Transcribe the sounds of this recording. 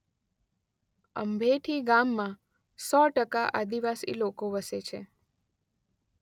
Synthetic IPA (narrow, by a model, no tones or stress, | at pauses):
ə̰mbʱeʈʰiɡamːã | sɔʈəkaʔad̪iʋasḭlokoʋəset͡ʃʰe